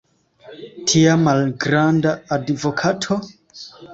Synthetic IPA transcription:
tʰiamalɡɾandaːdvɔkʰatʰo

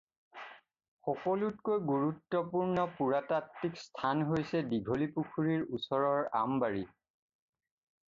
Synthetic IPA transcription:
xɔkɔlutkojɡuɹutːɔpuɹnɔpuɹatatːikstʰanɦojsɛdiɡʱolipukʰuɹiɹusɔɹɔɹa̰mbaɹi

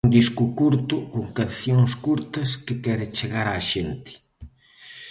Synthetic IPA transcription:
und̪iskʊkuɾt̪ʊkoŋkanθjoŋskuɾt̪ɐskekɛɾɪt͡ʃeɣaɾaʃent̪ɪ̥

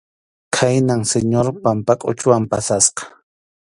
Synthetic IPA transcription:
kʰajnaŋseɲoɾpampakʼʊ̰t͡ʃʊwampasasqɑ̥

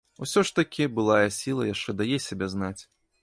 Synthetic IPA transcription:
ṵsʲɔʂt̪ɐkʲibɨlˠajɐsʲilˠɐjaʂt͡ʂɛd̪ajɛsʲabʲɛznat͡sʲ

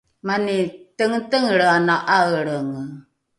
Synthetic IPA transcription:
manitəŋtəŋɾanaʔaɣəɭəŋ

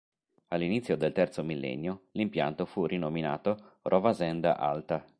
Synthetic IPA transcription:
alːinit̪sjod̪elt̪ɛrt̪somilːɛ̰nːjolimpja̰nt̪ofurinomina̰ːt̪orʔɔvazɛnd̪a̰ʔa̰lt̪a

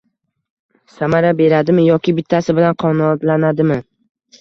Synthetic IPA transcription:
samaɾabe̞ɾad̪ɪmɪjɒkʲʰɪbɪt̪ʰːasɪbɪlanqʰɒnɒt̪lanad̪ɪmɪ

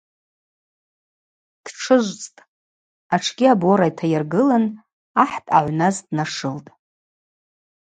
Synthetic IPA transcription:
d̥ʈ͡ʂʰɨʒʷt͡sʼtʼ | aʈ͡ʂʰɡʲiabo̞ɾajtʰajarɡɨlan | aħtʼaʕʷnazdnaʂɨltʼ

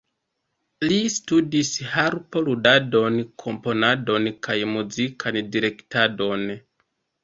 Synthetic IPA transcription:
listudishaɾpoludado̞nkʰo̞mpo̞nado̞nkajmuzikʰandiɾe̞ktado̞n

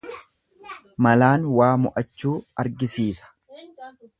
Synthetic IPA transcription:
mɐlaːnwaːmʊʔɐt͡ʃːuːɐɾɡɪsiːsɐ̥

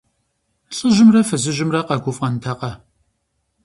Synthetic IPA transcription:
ɬʼɨʒɪmrɐfɐzɨʒɪmrɐqɐɡʷʊfʼqɐntʰɐqɐ

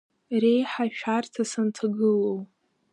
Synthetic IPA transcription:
re̞jħaʃᶣartʰasantʰaɡɨlow

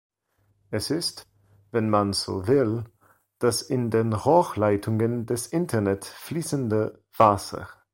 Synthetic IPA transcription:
ʔɛsɪst | vɛnmanz̥o̰ːvɪl | d̥asɪndeːnʁɔːxlaɪtʰʊŋəndɛsʔɪntʰɐnɛtfliːsəndə | v̥aːsə̰

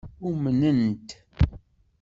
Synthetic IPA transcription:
umənənt̪

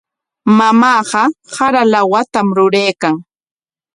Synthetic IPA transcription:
mamaːɢɑhaɾalawat̪amɾʊɾejkaŋ

